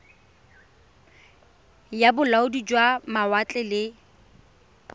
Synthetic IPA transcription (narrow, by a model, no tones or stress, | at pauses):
jabʊlaʊdid͡ʒwamawat͡ɬʼɛlɪ